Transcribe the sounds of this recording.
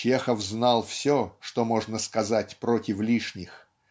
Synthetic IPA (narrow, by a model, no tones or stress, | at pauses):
t͡ɕexəfznɑlˠfsʲoʂt̪omoʐnəskɐzatʲpɾotʲɪflʲiʂnʲɪx